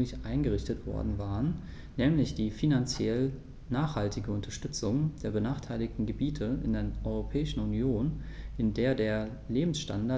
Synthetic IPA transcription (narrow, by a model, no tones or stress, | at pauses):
lɪçʔaɪnɡəʁɪçtətv̥ɔ̰ɐdn̩vaːʁənː | ɛːmlɪçd̥iːfinant͡sjɛl | naːχhaltʰɪɡəʊntɐʃtʏt͡sʊŋd̥eːɐbənaːχtʰaɪlɪktn̩ɡəbiːtʰəɪ̰ndeːɐʔɔʏʁopʰɛːɪʃn̩unjoːnʔɪndeːɐdeːɐ | leːbm̩sʃta̰nda